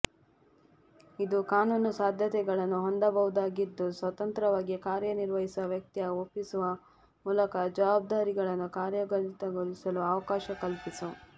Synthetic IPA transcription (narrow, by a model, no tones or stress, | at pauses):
id̪ukaːnuːnusaːd̪ʱjɐt̪ɛɡɐɭɐnːuɦond̪ɐbɐʋud̪aːɡid̪ːusʋɐt̪ɐnt̪ɾɐʋaːɡikaːɾjɐniɾʋɐɦisɐʋjɐk̚t̪iɐopːisuʋɐ | muːlɐkɐd͡ʒɐʋaːb̚d̪aːɾiɡɐɭɐnːukaːɾjɐɡɐlit̪ɐɡoɭisɐluɐʋɐkaːʃɐkɐlpisu